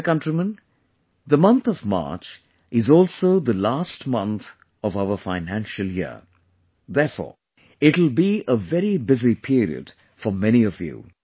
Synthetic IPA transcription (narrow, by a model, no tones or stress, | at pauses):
kʌ̃ntɹimə̃n | ðəmʌ̃nt̪ɔvmɑ̰ːɹt͡ʃ | ɪzɔːlˠsoʊðəlasʈmʌ̃nt̪ | ʌvaʊəfãɪnæ̃nʃəlˠjɪ̰ | ðɛfɔ̰ːɹ | ɪʈl̩ˠbiəvɛɾibɪzipʰiɾḭə̰d | fɔmɛñiʌvjṵ